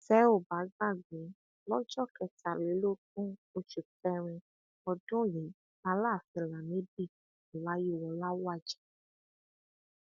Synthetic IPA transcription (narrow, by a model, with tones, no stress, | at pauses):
tɛ˨˦o˦˨ba˨˦ɡa˦˨ɡ͡be˨˦ | lɔ˦d͡ʒɔ˦˨kɛ˨ta˨le˨˦lo˦tũ˦o˧t͡ʃu˨kɛ˧ɾ̃ĩ˧ | ɔ˨dʊ̃˦je˨˦ | a˧˦la˦˨fɛ˧la˨nẽ˨˦bi˦˨ | o˨la˨˦ji˦˨wɔ˨la˦wa˦˨d͡ʒɛ̥˨